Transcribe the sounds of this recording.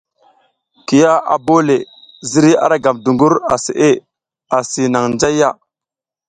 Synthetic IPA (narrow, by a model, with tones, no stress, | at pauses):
ki˨ja˦a̰˨bo˦le˨ | zi˦ɾi˦a̰˨ɾa˦ɡa˨mdu˨ŋɡu˦ɾa˨sḭ˨ʔe˦ | a˨si˨na˨ŋnd͡ʒa˦jːa˦˨